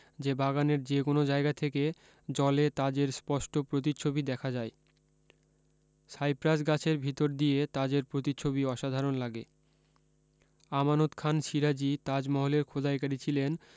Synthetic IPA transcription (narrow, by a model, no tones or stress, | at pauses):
d͡ʑebaɡaneɾd͡ʑekonod͡ʑaeɡat̪ʰeke | d͡ʑɔlet̪ad͡ʑeɾspɔʃʈopɾot̪̬it͡ɕʰobid̪ɛkʰad͡ʑae | sajpɾasɡat͡ɕʰeɾbʱit̪oɾd̪ijet̪ad͡ʑeɾpɾot̪̬it͡ɕʰobiɔʃad̪ʱaɾonlaɡe | amanot̪kʰanʃiɾad͡ʑit̪ad͡ʑmɔɦoleɾkʰod̪aekaɾit͡ɕʰilen